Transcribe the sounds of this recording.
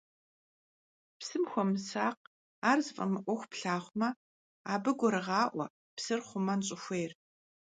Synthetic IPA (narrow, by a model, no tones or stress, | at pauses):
psɨmxʷɔmɨsaːq̚ | aːrzɨfʼɐ̰mɨʔʷɔxʷpɬaːχʷmɐ | aːbɨɡʷɔɾɨʁɑːʔʷɔ̰ | psɨrχʷʊmɐnɕʼɪxʷeːr